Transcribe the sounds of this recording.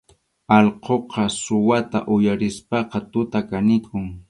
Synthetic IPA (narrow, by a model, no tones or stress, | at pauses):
ɑlqoqʰɑsʊwat̪a̰ʔʊjaɾɪspɑqɑt̪ʊt̪akanɪkʰʊŋ